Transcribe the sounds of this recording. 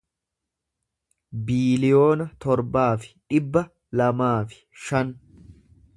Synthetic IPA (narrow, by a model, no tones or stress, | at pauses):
biːlɪjo̞ːnɐt̪ɔɾbaːfɪ̥ᶑɪbːɐ | lɐmaːfɪ̥ʃɐn